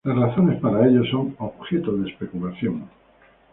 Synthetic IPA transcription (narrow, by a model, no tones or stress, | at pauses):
lasraθo̞ne̞spaɾaeʎo̞so̞ŋoβxe̞t̪oðespe̞kulaθjoŋ